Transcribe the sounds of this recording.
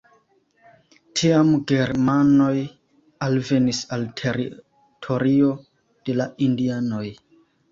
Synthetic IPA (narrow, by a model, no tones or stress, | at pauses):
tʰiamɡe̞ɾmano̞j | alve̞nisaltʰeɾḭ | tʰo̞ɾio̞ | d̥e̞laindiano̞j